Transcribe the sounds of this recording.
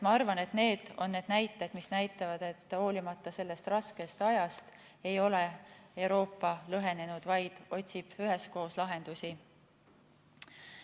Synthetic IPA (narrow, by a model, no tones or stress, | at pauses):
mɑɑrvɑne̞t̪ne̞ːd̪̥o̞̰nːe̞ːd̪̥næjt̪ˑːed̪̥misnæjt̪ːˑɑvɑd̪̥e̞t̪ːˑhoːlʲimɑt̪ːˑɑse̞lːe̞st̪rɑske̞st̪ɑjɑst̪ | e̞jo̞le̞e̞wɾo̞ːpːɑlɤɦe̞ne̞nud̪̥vɑjd̪̥o̞t̪ʲsib̥yɦe̞sko̞ːslɑɦe̞nd̪̥usi